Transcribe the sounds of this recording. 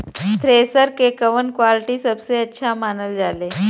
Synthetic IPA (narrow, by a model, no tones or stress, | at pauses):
t̪ɾesəɾkekəʋənkʋalʈiːsəbseətːɕʰamanəld͡zale